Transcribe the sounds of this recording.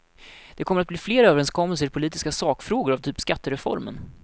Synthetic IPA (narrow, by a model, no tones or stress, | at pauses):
d̪̥ɛkʰɔməɾat̪̚bliːfleːɾøːvəɾɛnskʰɔmːəls̬əɾpʰʊliːt̪ɪ̥skasɑːkfɾoːɡʊɾavt̪ʰyːpskat̪ːəɾɛfɔ̰ɾmə̰n